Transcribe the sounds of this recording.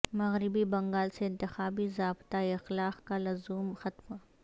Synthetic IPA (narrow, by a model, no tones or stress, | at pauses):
mɐɣɾɪbibɐ̃ŋɡaːlseɪ̃nt̪ɪxaːbizaːbt̪aeɪxlaːqkalɐzuːmxɐt̪ma